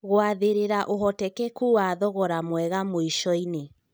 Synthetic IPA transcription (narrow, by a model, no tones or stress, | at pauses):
ɣoaðeɾeɾaʔoɦɔtɛkɛkuwaːðɔɣɔɾamwɛɣamoiʃɔine